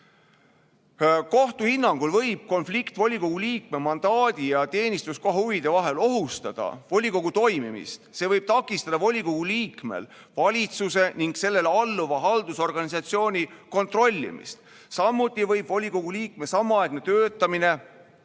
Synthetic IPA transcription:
ko̞ht̪uhinːɑŋɡ̥ulvɤ̞jb̥̚ko̞nflikt̪vo̞lʲiko̞ɡ̥uliːk̚memɑnd̪̥ɑːd̪̥ijɑt̪e̞ːnist̪uskohhuvid̪̥e̞vɑɦe̞lo̞ɦust̪ɑd̪̥ɑ̰vo̞lʲiko̞ɡ̥ut̪o̞jmimḭst̪se̞ːvɤjb̥̚t̪ɑkːˑist̪ɑd̪̥ɑvo̞lʲiko̞ɡ̥uliːkme̞̰l | vɑlʲit̪suse̞niŋɡ̥se̞lːe̞lɑlːuvɑɦɑld̪uso̞rɡ̥ɑnis̬ɑt̪sio̞ːnʲiko̞nt̪ro̞lʲːḭmḭst̪ | sɑmːut̪ʲːˑivɤjb̥vo̞lʲiko̞ɡ̥uliːk̚me̞sɑmːɑɑeɡ̥ne̞t̪øːt̪ːˑɑmine̞

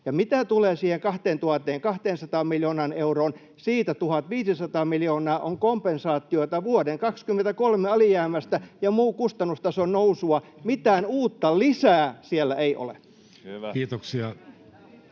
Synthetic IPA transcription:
jɑmit̪æt̪uleːsiːheŋkɑht̪eːnt̪uhɑt̪ːˑeːŋkɑht̪eːnsɑt̪ɑːmmiljoːnɑːneuroːn | siːt̪æt̪uhɑt̪ʋiːsisɑt̪ɑːmiljoːnɑːʔoŋkompensɑːt̪ːˑioit̪ɑʋuodeŋkɑkskymːent̪ækolmeɑlijæːmæst̪æjɑmuːkust̪ɑnːust̪ɑsonnousuɑmit̪æːnuːt̪ːɑlisæːsielːæeiʔo̰lḛ | iːt̪oksiɑ

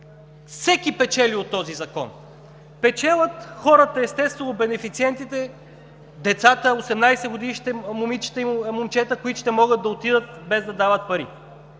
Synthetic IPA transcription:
fsɛk̟ipɛt͡ʃɛliot̪ːɔzizɐkɔ̰n | pɛt͡ʃɛlˠət̪xɔɾət̪əɛst̪ɛst̪vɛnʊbɛnɛfit̪siɛnt̪it̪ɛ | d̪ɛt̪sat̪əosɛmnajsɛɡod̪iʃʃt̪ɛmʊmit͡ʃi̥t̪əimʊmt͡ʃɛt̪əkoit̪ʊ̥ʃt̪ɛmɔɡəd̪̚ɐot̪id̪ət̪bɛzd̪ɐd̪avət̪̚pɐɾḭ

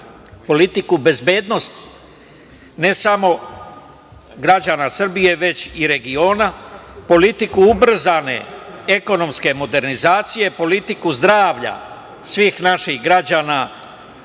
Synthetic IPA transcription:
po̞lit̪ikube̞zbe̞ːd̪no̞st̪i̥ | ne̞samo̞ | ɡɾad͡ʑanasr̩bije̞ʋe̞t͡ɕiɾe̞ɡio̞ːnapo̞lit̪ikuubr̩zane̞̰eko̞no̞mske̞mo̞d̪e̞ɾnizaːt̪sije̞po̞lit̪ikuzd̪ɾaːʋʎa̰ | sʋiːxnaʃixɡɾad͡ʑaːna

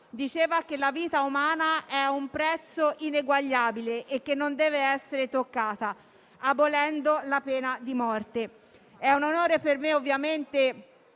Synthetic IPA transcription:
d̪it͡ʃeːvakelːaviːt̪aumaːnaɛumpɾɛt̪sːoʔineɡwaʎːaːbileʔekːenːond̪ɛːveɛsːeɾet̪okːaːt̪a | abolɛnd̪olapɛːnad̪imɔrt̪e | ɛunonoːɾepermeovːjament̪e

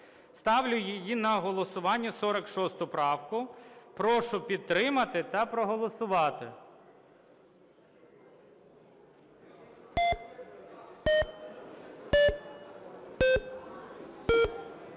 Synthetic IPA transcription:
st̪ɑwlʲʊjɪjinɐɦɔlˠɔsʊʋɑnʲːɐsɔɾɐkʃɔst̪ʊpɾɑwkʊpɾɔʃʊpʲid̪̚t̪ːɾɪmɐt̪ɪt̪ɐpɾɔɦɔlˠɔsʊʋɑt̪ɪ̰

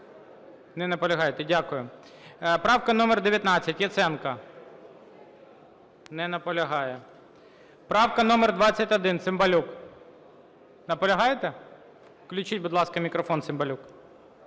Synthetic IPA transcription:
nɛnɐpɔlʲɐɦɑjet̪ɛdʲakʊjʊ | pɾɑwkɐnɔmɛrd̪eʋʲjɐt̪nɑt͡sʲːɐtʲjɛt̪sɛnkɐ | nɛnɐpɔlʲɐɦɑjɛ | pɾɑwkɐnɔmɛrd̪ʋɑt͡sʲːɐtʲɐd̪ɪnsɪmbɐlʲuk | nɐpɔlʲɐɦɑjet̪ɛ | klʲʊt͡ʃitʲbʊd̪lˠɑskɐmʲikɾɔfɔnsɪmbɐlʲuk

